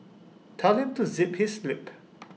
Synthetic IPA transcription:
tʰɛlhɪ̃mtuzɪphislɪp

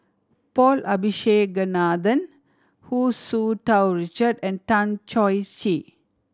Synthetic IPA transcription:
pɔːlʔɐbʱiʃeːɡənaːd̪ən | huːsuːʈawɾit͡ʃəɖɛ̃ɳɖ̚ʈãnt͡ʃɔjst͡ʃi

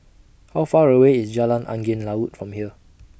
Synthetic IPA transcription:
hawfaɹəweisd͡ʒalãnã̰ŋɡẽnlaut̚fɹɔ̃mhiə

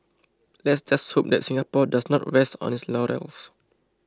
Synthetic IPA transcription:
lɛtsd͡ʒast̚hop̚d̪ɛ̰tsĩŋɡapɔdasnɔtɹɛstɔ̰̃nislɔɹɛ̰ls

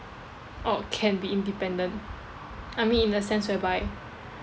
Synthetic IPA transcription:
ʔɔkʰɛ̃nbiĩndipɛ̃ndə̃nt | amĩnĩndəsɛ̃nswɛbaɪ

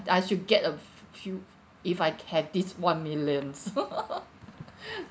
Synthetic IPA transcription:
ajʃud̚ɡɛtə | fju | ifajhɛvdiswãnmiljə̃ns

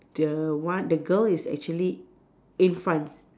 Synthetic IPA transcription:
d̥əwãndəɡəlisɛ̰k̚t͡ʃuəli | ĩnfɹãnt

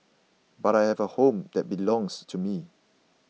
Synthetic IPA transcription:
baɾajhɛvəhõmd̪ɛt̚bilɔ̃ŋstʰumi

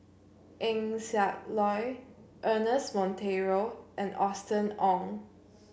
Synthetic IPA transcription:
ʔɛ̃ŋsɛʔ̚lɔjʔənəsmɔ̃ntʰeɹoʔɛ̃nɔstə̃nɔ̃ŋ

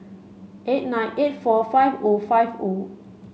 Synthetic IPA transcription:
ʔet̚nãɪ̃nʔet̚fɔfajvofajvo

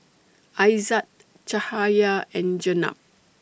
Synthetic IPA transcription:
ajzat | t͡ʃahajaɛ̃nd͡ʒəna̰p̚

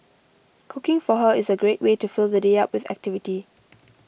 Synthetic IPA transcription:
kʰʊkɪ̃ŋfɔɦəɪsəɡɹetwetufilˠd̪ədeap̚wɪðæ̰k̚tɪviti

